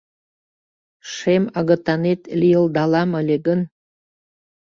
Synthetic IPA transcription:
ʃemɑɣə̆t̪ɑnet̪lʲijəlˠd̪ɑlɑməlʲeɡən

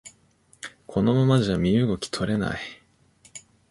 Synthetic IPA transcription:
kʰo̞no̞mamad͡ʑamʲiɯ̟ɡo̞kʲi̥t̪ʰo̞ɾe̞na̰i

